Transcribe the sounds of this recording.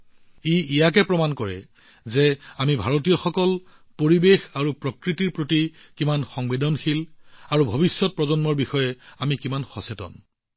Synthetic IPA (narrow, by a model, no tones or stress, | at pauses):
iijakɛpɹɔmankɔɹɛ̰ | zɛamibʱaɹɔtijɔxɔkɔl | poɹibexaɹupɹɔkɹitiɹpɹoti | kimanxɔŋbedɔnxilaɹubʱobisːɔt̚pɹɔzɔnmɔɹbixɔjɛamikimanxɔsetɔ̰n